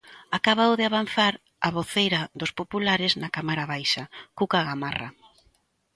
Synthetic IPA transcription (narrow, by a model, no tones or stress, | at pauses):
akaβawðɪaβan̟θaɾ | aβoθejɾɐðʊspopulaɾɪznakamaɾaβajʃakukaɣamara̰